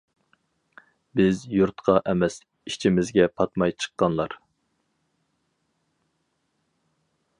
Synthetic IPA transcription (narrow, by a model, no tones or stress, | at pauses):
bɪzjuɾt̪qʰɑʔɛmɛs | it͡ʃʰimɪzɡʲɛpʰɑt̪mɑjt͡ʃʰə̥qːɑnlˠɑɾ